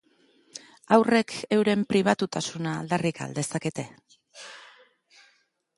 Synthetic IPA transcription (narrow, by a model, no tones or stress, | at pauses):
awre̞kʰe̞wɾe̞mpɾiβ̞at̪ut̪asunaːld̪arika̰ld̪e̞sake̞t̪e̞